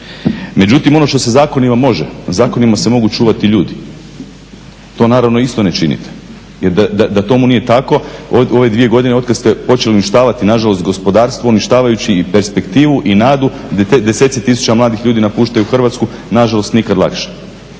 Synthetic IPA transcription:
me̞d͡ʑut̪imo̞no̞ʃt̪o̞se̞zaːko̞nimamo̞ʒḛzaːko̞nimasemo̞ɡut͡ʃuːʋat̪iʎuːd̪i | t̪o̞naːɾaʋno̞ist̪o̞ne̞t͡ʃinḭt̪ʰe̥ | jeɾd̪ad̪ad̪at̪o̞munije̞t̪ako̞oo̞ʋe̞d̪ʋije̞ɡo̞d̪ineo̞t̪̚kad̪st̪epo̞t͡ʃe̞liuniʃt̪aːʋat̪inaʒalo̞st̪ɡo̞spo̞d̪aːɾst̪ʋouniʃt̪aːʋajut͡ɕipe̞ɾspekt̪iːʋuʔinaːd̪u | d̪ed̪eset̪set̪isu̥t͡ɕamlˠaːd̪ixʎuːd̪inapuːʃt̪ajuxr̩ʋat̪skunaʒalˠo̞st̪nikad̪lˠa̰kʃe̥

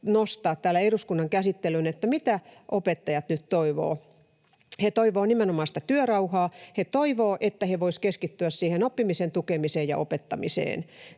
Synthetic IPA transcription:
nost̪ɑːt̪tæːlːæeruskunːɑŋkæsit̪ːelynet̪ːæmit̪æʔopet̪ːɑjɑt̪nyt̪toiʋo̰ː | het̪oiʋoːnimenomɑːst̪ɑt̪yørɑuhɑːhet̪oiʋoːʔet̪ːæheʋoiskeskit̪ːyæssiːhenopːimisent̪ukemiseːjjɑ̰ʔopet̪ːɑmisḛːn

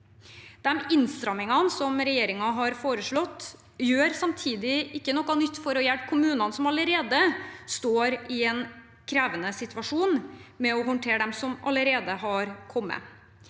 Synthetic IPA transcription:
d̪̥ɛmɪnst̪ɾɑmɪŋɑnsɔmɾɛjeːɾɪŋɑɦɑɾfoːɾəʂɭɔt̪ː | jøːɾsɑmt̪ʰiːd̪ɪɪkːənɔkːɑnʏt̪ːfɔɾɔjɛlp̚kʰʊmʉːnɑnsɔmɑləɾeːd̪əst̪oːɾɪɛn | kʰɾeːʋənəsɪt̪ʋɑʂuːnmɛɔɦɔnʈ̪ʰeːɾd̪ɛmsɔmɑ̰ləɾeːd̪əɦɑɾkʰɔmːə̰

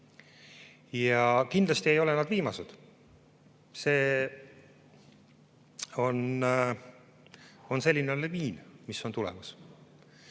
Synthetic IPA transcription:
jɑkind̪lɑst̪ie̞jo̞lenɑd̪viːmɑsed̪̥ | se̞ː | o̞n | o̞nse̞lʲːineleviːnmisːo̞nt̪ulɛ̰mɑs

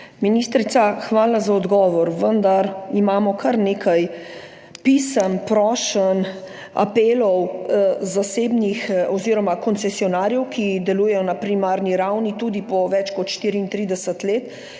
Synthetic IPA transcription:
minist̪ɾit̪saxʋaːlazaɔd̪ɡɔːʋɔɾʋənd̪aɾimaːmɔkʰaɾneːkʰaj | pisəmpɾɔːʃən | a̰peːlɔwzaseːbnixɔziɾɔmakɔnsɛsiɔnaːɾjɛwkʰid̪ɛluːjɛjɔnapɾimaːɾniɾawnit̪uːd̪ipɔʋɛt͡ʃkɔt̪ʃt̪iːɾiːnt̪ɾiːd̪ɛsət̪leːt̪

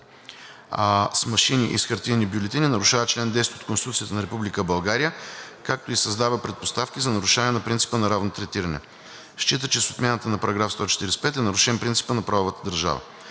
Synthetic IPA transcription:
smɐʃiniʔisxɐɾt̪inibjʊlɛt̪ininɐɾʊʃavət͡ʃlɛnd̪ɛst̪t̪o̥t̪konsit̪ut̪siət̪ənɐɾɛpublikəbɐlˠɡaɾijəkak̚t̪oisɐzd̪avəpɾɛt̪̚post̪afkʲizɐnɐɾʊʃanʲɛnɐpɾintsi̥pənɐɾavnot̪ɾɛt̪iɾɐnɛ̰ | ʃt͡ʃit̪ət͡ʃɛso̥t̪mʲanət̪ənɐpɐɾɐɡɾafst̪ɔt͡ʃɛ̥t̪iɾɛsɛ̥pɛt̪ɛnɐɾʊʃɛnpɾintsi̥pənɐpɾavovət̪ə̥d̪əɾʒa̰və̰

